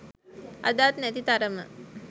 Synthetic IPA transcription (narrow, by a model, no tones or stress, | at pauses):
ʔa̰d̪aːt̪nɛt̪it̪aɾəmə̰